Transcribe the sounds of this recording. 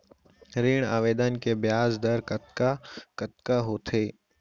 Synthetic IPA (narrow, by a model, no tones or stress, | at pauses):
ɾiːɳaːʋeːd̪ənkebɪjaːzd̪əɾkət̪kakət̪̚kaɦoːt̪ʰeː